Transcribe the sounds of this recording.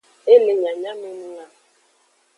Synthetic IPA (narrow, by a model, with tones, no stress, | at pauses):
e˦le˨ɲa˨ɲa˦me˦nu˦ŋa˦